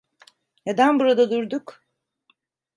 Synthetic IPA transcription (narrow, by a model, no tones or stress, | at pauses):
ned̪anbuɾad̪ad̪uɾd̪uk